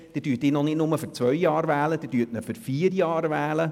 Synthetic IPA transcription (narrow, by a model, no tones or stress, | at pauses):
d̥ɪd̥yːətɪːnɔnɪdnʊməfyɾt͡sʋœɥjɑːɾvæːləd̪ɪd̥yːətnəfʏɾfiːəɾjɑːɾvæːlə